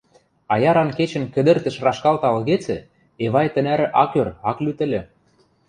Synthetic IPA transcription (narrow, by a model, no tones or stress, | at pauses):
ɑjɑɾɑnket͡ɕə̆nkə̆d̪ə̆rt̪ə̆ʃrɑʃkɑlt̪ɑlɣet͡sɘ̆ | eβɑjt̪ə̆næɾɘ̆ʔɑkørɑklyt̪ɘ̆lʲɘ̆